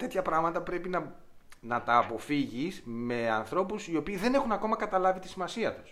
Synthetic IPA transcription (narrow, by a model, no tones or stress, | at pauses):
t̪e̞t̪çɐpɾɐɣmɐt̪ɐpɾe̞pinɐ | nɐt̪ɐːpo̞fiʝisme̞ɐnθɾo̞pusio̞piːðe̞ne̞xunɐko̞mɐkɐt̪ɐlɐvit̪i̥simɐsiɐt̪u̥s